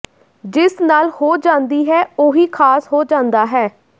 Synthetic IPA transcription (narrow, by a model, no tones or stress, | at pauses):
d͡ʒɪsnaːlhoːd͡ʒãːnd̪iːɦɛːoːɦiːkʰaːsɦoːd͡ʒãːnd̪aːɦɛː